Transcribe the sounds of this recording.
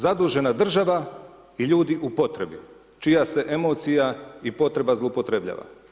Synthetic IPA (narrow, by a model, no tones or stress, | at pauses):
zad̪uːʒe̞nad̪r̩ʒaʋa | iʎuːd̪iʔupo̞t̪ɾe̞bi | t͡ʃijase̞ʔe̞mo̞ːt̪sijaipo̞t̪ɾe̞bazlˠoupo̞t̪ɾe̞bʎa̰ːʋa̰